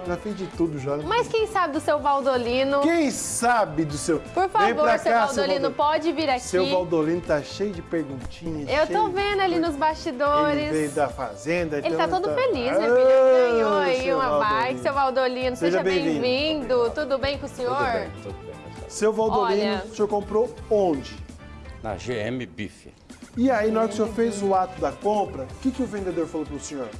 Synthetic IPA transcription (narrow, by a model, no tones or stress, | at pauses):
ʒafezd͡ʒɪt̪ud̪ʊʒamɐskẽj̃sabɪd̪ʊsewvawd̪olĩnʊkẽj̃sabɪd̪ʊsewpoɾfaẽjvoɾɾsseavawd̪olĩnʊpɔd͡ʒɪviɾaksewivawd̪olĩnʊt̪aʃejʊd͡ʒɪpeɾɡũt͡ʃĩɲʊewsovẽnd̪ʊalinʊzbast͡ʃid̪oɾɪsvẽjd̪ɐfa̰zẽd̪ɐ̃elɪt̪at̪od̪ʊfelisɛɐ̃ɲoaiũaajsewvawd̪olĩnʊseʒɐbẽj̃j̃vĩvĩd̪ʊt̪ud̪ʊbẽj̃kõsẽɲoɾtuesewvawd̪olĩnʊsoɾkõmpɾoõd͡ʒɪnɐ̰ʒeḛmɪbifɪ̰ | ɪainɔɾʊseoɾfejzʊat̪ʊd̪ɐkõmpɾɐʊkɪkɪʊvẽnd̪ed̪oɾfalopɾʊsẽɲoɾ